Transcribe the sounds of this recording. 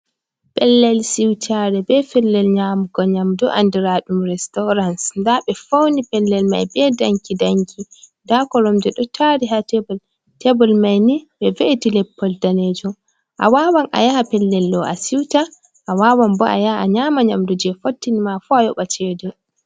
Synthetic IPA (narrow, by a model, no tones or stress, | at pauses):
pɛlːɛlsiwtʰaɾɛbɛfɛlːɛlɲamuɡɔɲamdɔʔandiɾaɗumɾɛstɔɾansndaɓɛfownipɛlːɛlma̰jbɛdaŋkidaŋkʰindakɔɾɔmdɛɗɔtʰaɾiɦatɛbɔl | tɛbɔlmajnibɛveʔtilɛpʰːɔldaned͡ʒɔm | ʔa̰wawanʔa̰jahapɛlːɛlːɔʔa̰siwta | ʔawawambɔa̰jaʔaɲamaɲamdud͡ʒɛfotːinimafuajɔɓat͡ʃɛdɛ